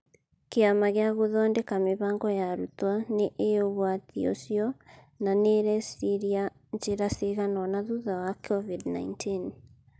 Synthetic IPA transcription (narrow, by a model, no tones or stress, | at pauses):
keamaɣeaɣoðɔndekameβaːŋɡɔjaɾutwaneʔeoβwatḭo̰sjɔ | naneɾɛsiɾia | ɲd͡ʒeɾaseɣanɔnaðuðawakʰɔvidna̰intʰin